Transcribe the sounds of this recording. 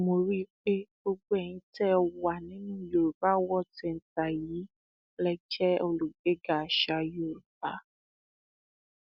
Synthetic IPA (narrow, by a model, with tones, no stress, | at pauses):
mo˨ɾi˦k͡pe˦ɡ͡bo˦ɡ͡bo˦ɛ˦˨ɲĩ˦tɛ˦˨wa˨nĩ˦nũ˦jo˨ɾba˦wɔ˦tɛ˨n̩˨ta˨ji˨˦ | lɛ˧t͡ʃɛ˦o˧lu˨ɡe˦ɡa˨ʃa˧jo˨ɾba˨˦